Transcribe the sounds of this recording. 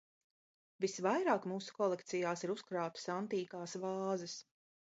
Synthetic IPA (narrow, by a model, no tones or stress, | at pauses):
visvajɾaːkmuːsu̥kɔlˠekt̪sijaːsiɾuskɾaːt̪ḁsant̪iːkaːsvɑːzɛs